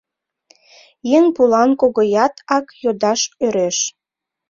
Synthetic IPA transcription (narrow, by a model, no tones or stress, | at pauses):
jeŋpulɑnkoɣojɑt̪ʰɑkjod̪ɑʃøɾeʃ